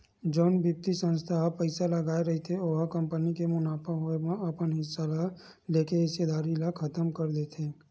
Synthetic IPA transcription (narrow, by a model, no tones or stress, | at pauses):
d͡ʒoːnbip̚t̪isə̃nst̪ʰaɦpəɪsalɐɡaːeɾɐɦet̪ʰeoːɦakə̃mpənikemʊnaːpəɦʊemə̃ɐpənɦɪsːala | leːkeɦɪsed̪aːɾilakʰɐt̪əmkɐɾd̪et̪ʰeː